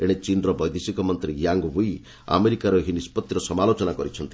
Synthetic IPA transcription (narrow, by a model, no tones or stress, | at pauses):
eɽ̃et͡ʃinɾɔbɔjd̪isikɔmɔnt̪ɾijaŋɡwuj | a̰meɾikaɾɔɦinispɔt̪jɾɔsɔmalot͡ʃɔnakɔɾit͡ʃʰɔnt̪i